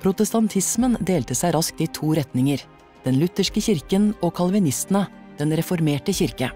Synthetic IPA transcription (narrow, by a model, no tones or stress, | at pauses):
pʰɾʊt̪əst̪ɑnt̪ʰɪsmənd̪eːlt̪əsæɪɾɑsk̚t̪iːt̪ʰuːɾɛt̪nɪŋəɾ | d̪̥ɛnlʉt̪əʂkəçɪɾkənoːkʰɑlʋɪnɪst̪n̩ə | d̪̥ɛnɾɛfɔɾmeːʈəçɪɾkə